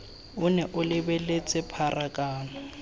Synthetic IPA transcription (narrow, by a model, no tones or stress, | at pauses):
ʊnɛʔʊlɪbelet͡sʼɪpʰarʔakʼaːnɔ